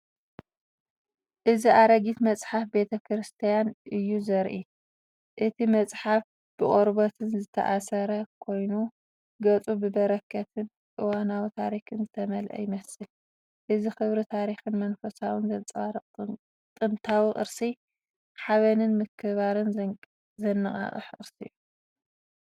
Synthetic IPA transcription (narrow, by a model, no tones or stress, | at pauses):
ʔɨziʔaɾɐɡit̪mɐt͡sʼħafbe̞t̪ʰɐkʰɾɨst̪ʰijanʔɨjːuzɐɾʔi | ʔɨt̪ʰimɐt͡sʼħaf | b̥ɨχʼoɾbot̪ʰɨnzɨt̪ʰɐ̰ʔasɐɾɐkʰo̞jnu | ɡɐt͡sʼubɨbɐɾɐkʰːɐt̪ʰɨn | ʔʼɨwanawit̪ʰa̰ɾixɨnzɨt̪ʰɐmɐlʔɐ̰jɪmɐsɨl | ʔɨzixɨβɾit̪ʰaɾixɨnmɐnfɐsawɨnzɐt͡sʼaɾʼ | t̪ʼɨnt̪ʰawiʔʼɨ̰ɾsi | ħaβɐnɨnmɨkʰɨβaɾɨn | zɐnːɨχʼa̰χʼɨ̰ħɨʔʼɨɾsɨ̰jːu